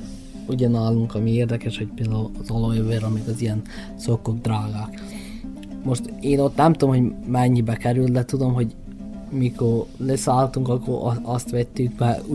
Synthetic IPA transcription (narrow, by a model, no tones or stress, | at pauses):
uɟɒnɒlːuŋkɒmieːrd̪ɛkɛʃho̞c̚peld̪ɛuzolojøvøːɾɒmeɡɒzijɛn | sokːuɡd̪raːɡaːk | mo̞ʃt̪eːno̞t̪nɛmt̪omhomɛɲːibɛkɛɾyld̪ɛt̪ud̪o̞mɦo̞ɟ | mikorlesaːlt̪uŋkɒkːoɾɒɒst̪ʋɛt̪ːyɡbɛu